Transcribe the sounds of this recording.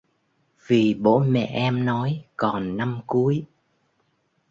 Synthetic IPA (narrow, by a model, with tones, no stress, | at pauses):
vi˨˩ɓo̰˧˥mɛ̰˧˨ʔɛ˧mnɔ˨˦jkɔ˨˩nːa˧mku˨˦əj